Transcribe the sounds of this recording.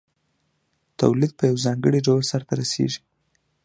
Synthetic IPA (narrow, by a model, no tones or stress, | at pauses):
t̪awlid̪̚pəjawzɑŋɡəɽiɖawəlsaɾt̪aɾasḛʒi̥